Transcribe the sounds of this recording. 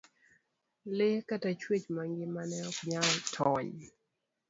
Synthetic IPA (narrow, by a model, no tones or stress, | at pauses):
lɪkatat͡ʃwet͡ʃmaŋɡɪmanɛɔkɲatʰɔɲ